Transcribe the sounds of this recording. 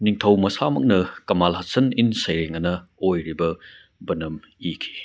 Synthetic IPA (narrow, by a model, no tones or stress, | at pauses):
niŋtʰɐwmɐsamɐ̰k̚nɐkɐmalɦɐsɐninsɐjɾeŋɐnɐojɾibɐ | bɐnɐm | ikʰi̥